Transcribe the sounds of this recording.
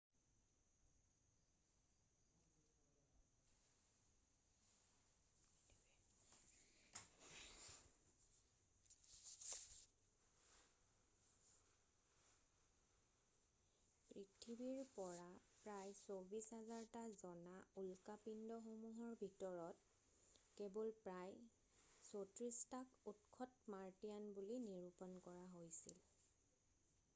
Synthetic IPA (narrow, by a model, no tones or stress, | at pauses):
pɹitʰibiɹpɔɹapɹajsobisɦazaɹtazɔnaulkapindɔxomuɦɔɹbʱitɔɹɔt̚ | kebɔlpɹaj | sotɹistakutkʰɔtmaɹtijanbuliniɹupɔnkɔɹaɦojsḭl